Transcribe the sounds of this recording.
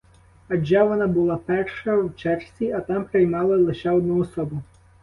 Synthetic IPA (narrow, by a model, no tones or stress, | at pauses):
ɐd͡ʒɑʋɔnɑbʊlˠɑpɛrʃɐwt͡ʃɛrsʲiɐt̪ɑmpɾɪjmɑlˠɐlˠɪʃɛɔd̪̚nuɔsɔbʊ